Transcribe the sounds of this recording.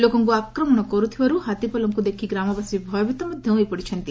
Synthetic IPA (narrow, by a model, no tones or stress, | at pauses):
loːkɐŋkuakɾɐmɐɳ̃ɔkɔɾut̪ʰiʋɐɾuɦɐt̪ipɔlɐŋkud̪ekʰiɡɾaːmɐbɐsibʱɔjɐʋit̪ɐmud̪ʱjɐ̃w̃ipɔɽit͡ʃʰɐnt̪i